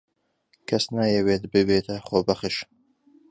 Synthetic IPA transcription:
kʰɐsnaːjɛweːt̪bɨbeːt̪ʰɐχoːbɐχɨʃ

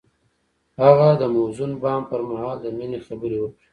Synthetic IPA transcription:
haɣad̪əmozunbɑmpəɾmahɑːld̪əminexabəɾewəkɽi

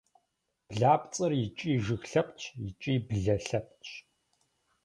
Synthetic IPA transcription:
b̥ɮaːpʼt͡sʼɨrjɪt͡ʃʼiːʒɨxɬɐpʼt͡ʃʰjɪt͡ʃʼiːbɮɐɬɐp̚t͡ʃʰʼ

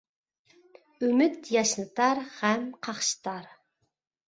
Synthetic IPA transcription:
ymyt̪jɑʃnɨt̪ɑɾhɛmqʰɑχʃɨ̥t̪ɑɾ

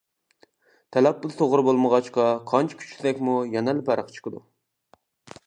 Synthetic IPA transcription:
t̪ʰɛlɛpːʊlt̪ʰoʁɾɨbolˠməʁɑt͡ʃqɑqʰɑnt͡ʃʰi̥kʲʰy̥t͡ʃ̪ʰɪd̪ɛkʲmujɛnɛlpʰæɾəqt͡ʃʰə̥qəd̪u

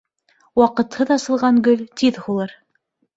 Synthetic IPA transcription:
wɑqɤ̆t̪hɤðɑsɤ̆lˠʁɑnɡɵlt̪iðhulˠɤɾ

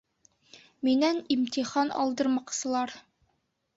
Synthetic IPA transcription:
minænimt̪iχɑnɒ̰lˠd̪ɤ̆ɾmɑqsɤ̆lˠɑɾ

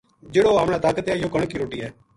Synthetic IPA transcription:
d͡ʒeːɽoːɦəmɽãt̪aːkət̪ɛːjoːkəɳkiːɾoːʈiːɦɛː

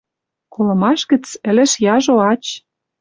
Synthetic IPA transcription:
kolɤ̆mɑʃɣə̆t͡sɘ̆lɘ̆ʃjɑʒoɑt͡ɕ

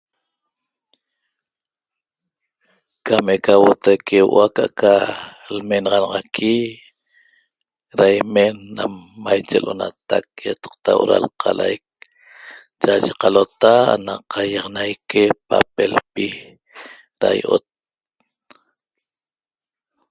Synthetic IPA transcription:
kamekawot̪ajkʰewʔakaʔkalmenɑʁɑnɑʁɑkʰi | ɾajmenːamːajt͡ʃelʔona̰t̪ak̚jat̪ɑ̥q̚t̪awʔoɾa̰lqʰɑlajk̚ | t͡ʃaʒeqalot̪aa̰naqʰajɑʁnajkepapelpi | ɾa̰jʔo̰t̪̚

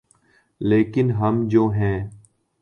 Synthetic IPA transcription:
leːkɪnɦəmd͡ʒoːɦɛ̃ː

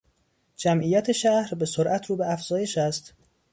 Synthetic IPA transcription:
d͡ʒæmʔiːjæt̪ʰe̞ʃæhɾbe̞soɾʔæt̪ʰɾuːbeæfz̥ɒːje̞ʃæst̪

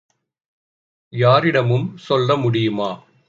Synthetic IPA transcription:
jaːɾɪɽɐmɯmsɔlrɐmʊɽɪjɯmaː

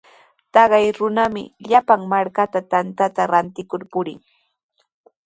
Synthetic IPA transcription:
t̪ɑɢɑjɾʊnamɪ̰ʎapaŋmaɾkat̪at̪ant̪at̪aɾant̪ɪkʊɾpʊɾɪŋ

